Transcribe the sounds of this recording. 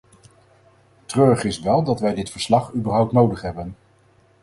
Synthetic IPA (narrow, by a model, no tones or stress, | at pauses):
trøːɹχɪsʋɛlˠdɑtʋɛjdɪtfəɹslɑχybəɹɦʌwp̚tnowdəχɦɛbən